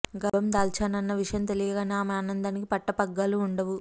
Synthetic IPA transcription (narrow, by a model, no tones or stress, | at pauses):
ɡɐbɐmd̪aːlt͡ʃaːnɐnːɐʋiʂɐjɐmt̪e̞lijɐɡaːneɐmeɐnɐnd̪aːnikipɐʈːɐpɐɡːaːluːɳɖɐʋu